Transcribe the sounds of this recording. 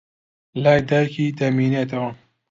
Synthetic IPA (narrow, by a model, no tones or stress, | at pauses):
laːjd̪aːjkʰiːd̪ɐmiːnet̪ɐwɐ